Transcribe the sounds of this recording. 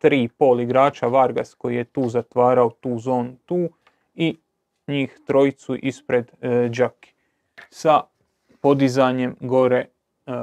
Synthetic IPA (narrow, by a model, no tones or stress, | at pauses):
t̪ɾiːpo̞ːliɡɾaːt͡ʃaʋaɾɡa̰sko̞jije̞t̪uːzat̪ʋaːɾaot̪uːzo̞ːnut̪uː | i | ɲiːxt̪ɾo̞jit̪suʔispɾe̞d̪d͡ʒaki̥ | sa | po̞d̪izaɲe̞mɡo̞ɾe